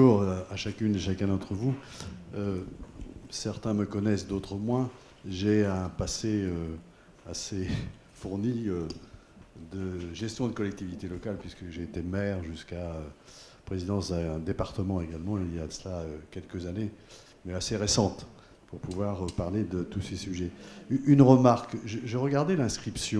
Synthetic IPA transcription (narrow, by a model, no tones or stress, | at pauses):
uʁaʃakʲynd̪eʃakɛ̃d̪ɑ̃t̪χəvuø | sɛʁt̪ɛ̃məkɔnɛsd̪ot̪χəmwɛ̃ | ʒeɛ̃paseø | ase | fuʁniø | d̪əʒɛst̪jɔ̃d̪əkɔlɛk̚t̪ivit̪elɔkalpɥiskəʒeːt̪emɛʁʒyskaø | pχezid̪ɑ̃sd̪ɛ̃d̪epaʁt̪əmɑ̃eɡalmɑ̃iljasəlaøkʲɛlkəzane | mɛaseʁesɑ̃t̪ | puʁpuvwaʁəpaʁled̪ət̪usesyʒɛyynʁəmaʁkʒəʒəʁəɡaʁd̪elɛ̃skχipsjɔ̃